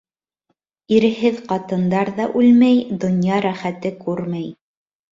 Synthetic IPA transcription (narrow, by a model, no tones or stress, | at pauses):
iɾɘ̆ɦɘðqɑt̪ɤ̆nd̪ɑɾðɑʔʉlmæjd̪ŏnjɑɾæχæt̪ɘkʉɾmæj